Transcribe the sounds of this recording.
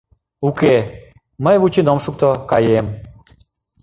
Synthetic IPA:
uke | məjβut͡ɕinomʃuk̚t̪okɑjem

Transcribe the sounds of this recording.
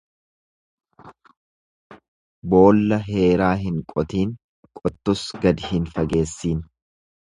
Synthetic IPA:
bo̞ːlːɐɦe̞ːɾaːɦɪŋkʼɔt̪iːŋ | kʼɔt̪ːʊsɡɐd̪ɪhɪnfɐɡe̞ːsːiːn

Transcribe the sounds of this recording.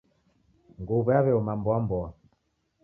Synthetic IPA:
ŋɡuβɛaβɛɔmambɔambɔa

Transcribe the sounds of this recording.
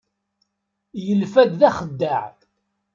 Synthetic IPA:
jəlfæd̪ðæχəd̪ːaʕ

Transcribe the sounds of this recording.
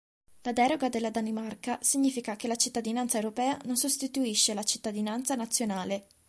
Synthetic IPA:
lad̪ɛːɾoɡad̪elːad̪animarkasiɲːiːfikakelat͡ʃit̪ːad̪inant̪saewɾopɛːanonsost̪it̪uiʃːelat͡ʃit̪ːad̪inant̪sanat̪sːjonaːle

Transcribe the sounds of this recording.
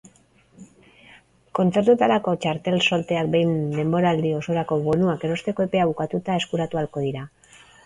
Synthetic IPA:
ko̞nt͡se̞ɾt̪ut̪aɾako̞t͡ʃaɾt̪e̞lso̞lt̪e̞akbe̞jnd̪e̞mbo̞ɾald̪io̞so̞ɾako̞βo̞nuake̞ɾo̞st̪e̞ko̞epe̞aβ̞ukat̪ut̪ae̞skuɾat̪ualko̞ðiɾa

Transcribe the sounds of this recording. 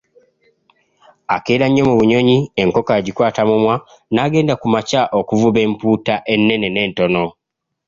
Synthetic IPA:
akeːɾaɲːo̞muβuɲo̞ɲie̞ŋko̞kaɟikwaːtamumwa | naːɡe̞ːndakumacaʔokuvuβe̞ːmpuːtaʔe̞nːe̞ne̞ne̞ːnto̞no̞

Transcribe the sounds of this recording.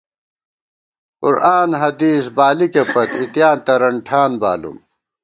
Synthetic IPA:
ṵɾʔaːnɦɐd̪iːsbaːlikepɐt̪it̪jaːnt̪ɐɾɐɳʈʰaːnba̰ːlṵm

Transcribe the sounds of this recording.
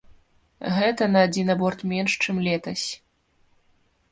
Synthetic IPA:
ɣɛt̪ɐnɐːd͡zʲinɐbɔrt̪mʲɛnʂt͡ʂɨmlʲɛt̪ɐsʲ

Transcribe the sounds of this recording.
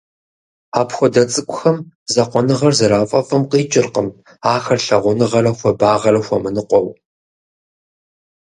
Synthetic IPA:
aːpxʷɔdɐt͡sʼɨkʷʼʊxɐm | zɐqʷɔnɨʁɐrzɐɾaːfʼɐfʼɐmqiːt͡ʃʼɪrqəm | aːxɐrɬɐʁʷʊnɨʁɐɾɐxʷɔbaːʁɐrɐxʷɔmɨnɨqʷɔw

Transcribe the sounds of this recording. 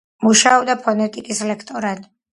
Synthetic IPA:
muʃaɔbd̪apʰɔnɛt̪ʼikʼislɛkʰt̪ʼɔɾan

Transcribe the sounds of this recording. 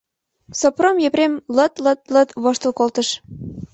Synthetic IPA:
sopromjepremlə̆t̪lət̪̚lə̆t̪βoʃt̪əlkolt̪ə̆ʃ

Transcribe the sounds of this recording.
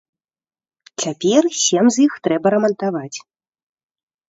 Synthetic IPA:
t͡sʲapʲɛrsʲɛmzʲjixt̪ɾɛbɐɾɐmɐnt̪avat͡sʲ

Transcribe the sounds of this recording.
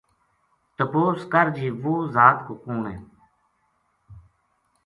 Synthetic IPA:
t̪əpoːskəɾd͡ʒiːʋoːzaːt̪koːkũːɳẽː

